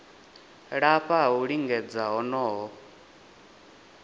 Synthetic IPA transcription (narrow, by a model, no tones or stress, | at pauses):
ɺaɸʰaɦuɺiŋɡɛd͡zaɦɔnɔːɦɔ